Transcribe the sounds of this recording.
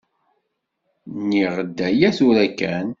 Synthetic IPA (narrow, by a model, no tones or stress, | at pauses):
niʁəd̪ːæjæθuɾækːæn